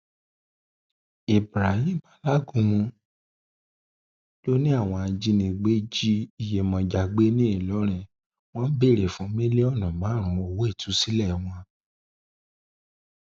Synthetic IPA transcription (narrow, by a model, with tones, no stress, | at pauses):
e˨bɾa˨ɦĩ˦˨ma˨˦la˦ɡũ˨˧˨mũ˧ | lo˦nĩ˦a˦˨w̃ɔ̃˧a˧d͡ʒi˦nĩ˧ɡ͡be˦d͡ʒi˦i˨je˧˨mɔ̃˧d͡ʒa˨ɡ͡be˦nĩ˦i˦˨lɔ˨˦ɾ̃ɛ̃˧˨ | w̃ɔ̃˦n̩˦be˦˨ɾe˨fũ˨˦mĩ˦le˦ɔ˦˨nɔ̃˨ɡ͡ba˨˦˨ɾ̃ũ˨˦o˧˨wo˦e˦˨tʰu˨˦si˦lɛ˦˨w̃ɔ̃˧